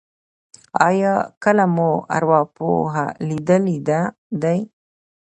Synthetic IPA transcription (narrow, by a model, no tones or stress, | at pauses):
ɑjɑkəlamua̰ɾwɑpo̰ɦa̰lid̪əlid̪a | d̪aj